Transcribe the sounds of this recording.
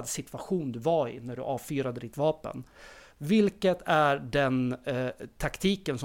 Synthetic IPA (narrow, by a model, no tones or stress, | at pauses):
d̪sɪt̪ʰvaɧuːnd̪ɵvaɾɪ̰næɖɵ̰ʔɑːvfyːɾad̪əd̪ɪt̪vɑːpə̰n | vɪlkət̪ʰæɖɛn | t̪ʰakt̪ʰiːkənsɔ